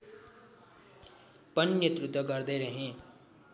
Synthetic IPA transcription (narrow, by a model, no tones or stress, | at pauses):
pənnet̪ɾʊt̪wəkəɾd̪eːɾəɦẽː